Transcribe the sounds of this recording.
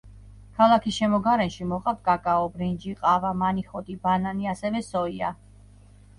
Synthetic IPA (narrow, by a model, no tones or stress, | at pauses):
kʰalˠakʰisʃɛmɔɡaɾɛnʃimɔqʼaft̪̚ʰkʼakʼaɔbɾind͡ʒiqʼavamaniχɔt̪ʼibananiasɛvɛsɔia